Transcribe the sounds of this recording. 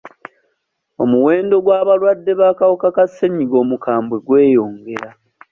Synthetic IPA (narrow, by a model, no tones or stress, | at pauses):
o̞̰muwe̞ːndo̞ɡwaːβalwadːe̞βaːkawokakasːeɲiɡo̞ːmukaːmbwe̞ɡwe̞ːjo̞ːŋɡe̞ɾa